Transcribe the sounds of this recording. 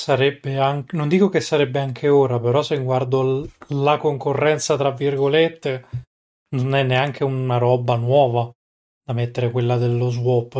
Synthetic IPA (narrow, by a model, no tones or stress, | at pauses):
saɾɛbːeaŋknond̪iːkokesːaɾɛbːeaŋkʰeoːɾapeɾɔsːeŋɡward̪olakoŋkorːɛnt̪sat̪ɾavːirɡolet̪ːe | nonɛnːeaŋk̟eunaɾɔːbanwɔːva | d̪̥amet̪ːeɾekwelːad̪elːozwɔp